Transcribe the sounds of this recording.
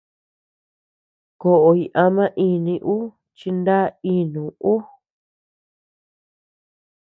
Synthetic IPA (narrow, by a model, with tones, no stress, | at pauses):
ko˨ʔo˧˨i˧ʔa˧mã˦ʔi˧nĩ˧ʔu˦ | t͡ʃi˧nd̪a˦i˦nũ˨u˦